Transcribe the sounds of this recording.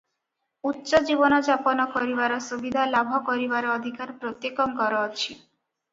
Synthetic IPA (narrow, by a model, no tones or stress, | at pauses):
utːʃɔd͡ʒibɔnɔd͡ʒapɔnɔkɔɾiβaɾɔsubid̪ʱalabʱɔkɔɾibaɾɔɔd̪ʱikaɾpɾot̪jekɔŋkɔɾɔːt͡ʃʰi